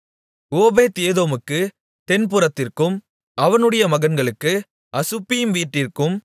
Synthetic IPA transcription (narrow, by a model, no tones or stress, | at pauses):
oːbeːt̪eːðoːmɯkːɯ | t̪ɛnpɯɾɐt̪ːɪrkɯm | ɐʋɐnɯɽɐjɐmɐɣɐnɡɐɭɯkːɯ | ɐsɯpːɪjɯmʋiːʈːɪrkɯm